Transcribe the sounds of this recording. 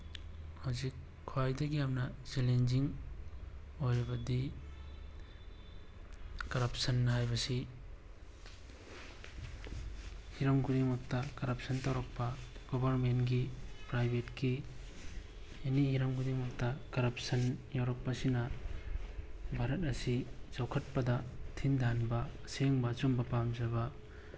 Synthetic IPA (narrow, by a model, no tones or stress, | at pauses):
hawzikʰː | oajdɐɡijamnɐt͡ʃelend͡ʒiŋ | ojɾibɐdi | kɐɾɐp̚sɐnːɐɦajbɐsi | hiɾɐmɡudimɐk̚tɐkɐɾɐp̚sɐntawɾɐk̚pɐɡ̥ɔbɐɾmenɡipɾajbʱetki | enihiɾɐmɡudimɐk̚tɐkɐɾɐp̚sɐnjawɾɐk̚pɐsinɐ | bʱaɾɐt̚ɐsit͡ʃawkʰɐt̚pɐdɐtʰindʱanbɐseŋbɐt͡ʃombɐpamzɐbɐ